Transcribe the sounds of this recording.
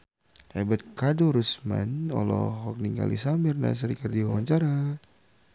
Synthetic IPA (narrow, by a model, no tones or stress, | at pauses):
ebat̪̚kaduɾusma̰nɔlɔ̰ɦɔk̚niŋɡa̰lḭsamɪrna̰s̬əɾikərdiwawaɲt͡ʃaɾa